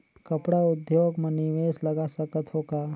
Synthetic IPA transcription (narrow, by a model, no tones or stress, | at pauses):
kɐpɽaʊd̪joːɡmẽnɪʋeːslɐɡasɐkət̪ɦoːkaː